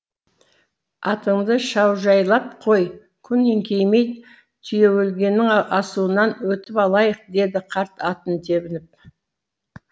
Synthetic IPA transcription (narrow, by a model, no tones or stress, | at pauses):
ɑt̪əɴd̪əʃɑwʒɑjlˠɑp̚qʰo̞j | kʲʰʏnːeŋkʲʰe̞jme̞jt̪ | t̪ʰʏje̞wɵlɡʲe̞nːɪŋɑsuənɑnwɵt̪ɪpɑlˠɑjəq̚d̪e̞d̪ɪqʰɑɾt̪ɑt̪ənt̪ʰe̞bɪnɪp̚